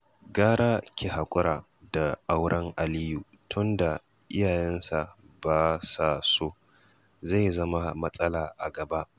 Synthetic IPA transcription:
ɡaː˦ɽaː˦kʲe˨ha˨kʷʼʊ˦ɾaː˨ | da˨ʔa˦wɾɐ˦ŋʔa˨liː˦ju˨ | tʰʊ˦nda˨ | ʔɪ˦jaː˨jɛ˦nsa˨ | baː˨saː˨soː˦ | za˦˨jzɐ˦ma˦mɐ˦sʼɐ˦laː˨ʔa˨ɡɐ˨ba˦ʔ

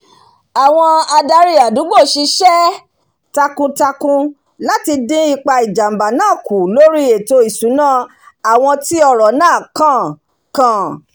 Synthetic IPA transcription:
a˨w̃ɔ̃˧a˧da˧ɾi˦a˨du˨˦ɡ͡bo˦˨ʃi˧ʃɛ˦ | ta˧kũ˧ta˧kũ˧ | la˦ti˧dĩ˦i˧k͡pa˧i˨d͡ʒa˨m̩˨ba˨nãː˦˨ku˨lo˦ɾi˦e˨to˧i˨su˨˦nãː˦˨ | a˨w̃ɔ̃˧ti˦ɔ˧ɾɔ˨nãː˦˨kã˦˨ | kã˨˦˨

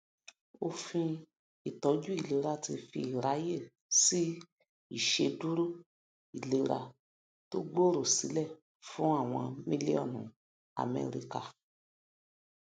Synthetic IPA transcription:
o˧fĩ˧ | i˨tɔ˨˦d͡ʒu˦i˦˨le˨˦ɾa˧ti˧fi˧i˨ɾa˨˦je˦˨ | si˦ | i˦˨ʃe˧du˦ɾu˦ | i˨le˨˦ɾa̰˧ | to˦ɡ͡bo˦ɾo˦˨si˨˦lɛ˦˨ | fũ˨˦a˦˨w̃ɔ̃˧mĩ˦li˦ɔ̰˦˨nṵ̃˨ | a̰˨mɛ̰˨˧ɾḭ˧ka˧

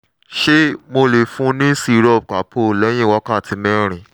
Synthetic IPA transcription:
ʃe˦mo˧le˨fũ˦nĩ˦si˦˨ɾɔ˦˨b̚k͡pa˨˦pʰo˦˨lɛ˨˦j̃ĩ˦˨wɔ˦kã˦˨ti˧mɛ̃˦ɾ̃ĩ˨

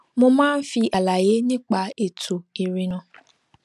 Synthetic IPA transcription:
mʊ̃˦mãː˦n̩˦fi˧ʔa˨la˨je˦ɲɪ̃˦k͡pa˨˦e˨tʰu˨i˨ɾi˨nɔ̃˧

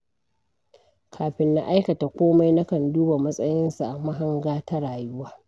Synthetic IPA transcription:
kʰaː˨ɸɪ˦nːa˦ʔa˦jkɐ˨ta˨kʷoː˦ma˦jna˦kɐ˨nduː˦ba˨mɐ˦sʼɐ˦jɪ˦nsa˨ʔa˨ma˦ɦa˦ŋɡaː˦ta˦ɽaː˨jʊ˦waː˦

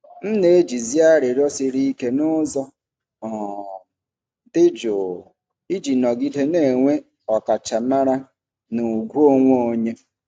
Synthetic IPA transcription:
n̩˦ne˨e˦d͡ʒi˨zi˦a˦ɾɪ˨ɾɔ˦sɪ˨ɾi˦ke˦nʊ˦zɔ˦ | ɔ˨ | dɪ˦d͡ʒʊ˨ | i˦d͡ʒi˨nɔ˨ɡɪ˦de˦ne˨ŋʷe˦ | ɔ˨ka˨t͡ʃa˨ma˦ɾa˦ | nʊ˨ɡʷu˦o˦ŋʷo˦o˨ɲe˦

